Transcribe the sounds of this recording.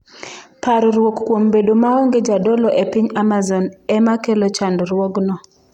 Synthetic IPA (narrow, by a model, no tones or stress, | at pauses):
paɾɔɾwokːwombedomaɔŋɡed͡ʒadɔlɔʔepɪɲamazɔnɛmakelot͡ʃandɾwɔɡnɔ